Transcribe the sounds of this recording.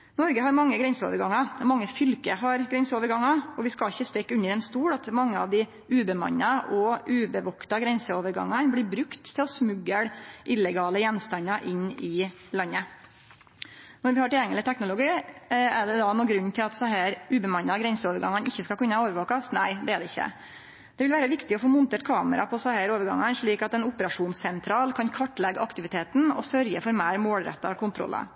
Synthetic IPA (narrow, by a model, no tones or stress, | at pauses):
nɔɾɡəɦɑɾmɑŋːəɡɾɛnsəo̰ːʋəɾɡɑŋːɑmɑŋːəfʏlkəɦɑɾɡɾɛnsəoːʋəɾɡɑŋːɑɔʋɪskɑlɪçːəst̪ɛkːʉnːəɾɛnst̪uːɽɑt̪mɑŋːəɑ̰ʋd̪ɪ | ʉːbəmɑ̰ɲːɑʔɔʉːbəʋɔkt̪ɑɡɾɛnsəoːʋəɾɡɑ̰ŋːɑnblɪbɾʉkt̪ʰːɪlɔsmʉɡːəɽʔɪləɡɑːləjɛnst̪ɑnɑʔɪnːɪ | lɑnːə | nɔɾʋɪhɑɾʈɪljɛŋːəlɪt̪ʰɛknʊlʊɡiːæɖɛd̪ɑnuːɡɾʉnːt̪ʰɪlɑt̪sɑhæːɾʉːbəmɑnɑɡɾɛnsəoːʋəɾɡɑŋːɑnɪçːəskɑkʉnːəhɑoːʋəʋɑːkɑsnæɪd̪ɛæɖɛɪçːə̰ | d̪̥ɛʋɪlʋæːɾəʋɪkt̪ɪɔfoːmʊnt̪eːʈkʰɑːməɾɑ̰pʰɔsæhæːɾoːʋəɾɡɑ̰ŋːɑnʂɭiːkɑt̪ɛnʊpəɾɑʂuːnsːɛnt̪ʰɾɑːlkʰɑnkʰʋɑʈːlɛɡːɑkt̪ɪʋɪt̪ʰeːt̪nɔ̰sœɾjəfɔɾmæːɾmoːlɾɛ̰t̪ːɑ̰kʰʊnt̪ʰɾɔ̰lʔɑ̰